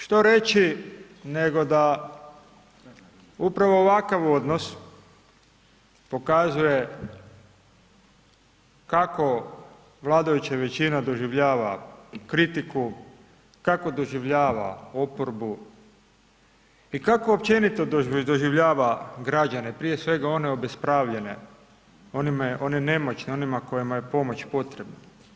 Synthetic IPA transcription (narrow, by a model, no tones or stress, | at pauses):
ʃt̪oɾe̞t͡ɕi | neɡo̞d̪a | upɾaʋo̞ːʋakaʋo̞d̪nos | po̞kazuje̞ | kako̞ | ʋlˠaːd̪ajut͡ɕaʋe̞t͡ɕinad̪o̞ʒiʋʎaːʋa̰kɾit̪iku | kako̞d̪o̞ʒiʋʎaːʋa̰o̞poɾbu | ikakoːpt͡ɕe̞nit̪od̪oʒiʋʎaːʋaɡɾad͡ʑane̞pɾije̞sʋe̞ɡao̞ne̞o̞bespɾaʋʎe̞ne̞̰ | onmonene̞mo̞t͡ɕneo̞nimako̞jimaje̞po̞mo̞t͡ɕpo̞t̪ɾe̞bna